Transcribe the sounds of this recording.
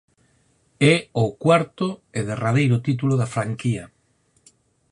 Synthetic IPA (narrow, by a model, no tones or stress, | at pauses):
ɛokwaɾt̪oeðerað̞ejɾʊt̪it̪̬uloðafɾaŋkia